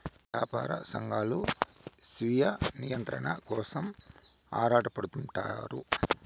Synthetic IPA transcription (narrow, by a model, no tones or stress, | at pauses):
ʈaːpa̰ːɾɐ̰sɐŋɡaːlusʋijɐnijɐnt̪ɾɐ̰ɳɐkɔːsɐm | aːɾaːʈɐpɐɽut̪uɳʈa̰ːɾu